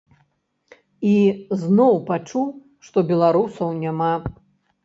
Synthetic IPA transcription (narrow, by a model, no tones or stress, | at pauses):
iznɔwpat͡ʂu | ʂt̪ɔbʲɛlˠaɾusɐwnʲama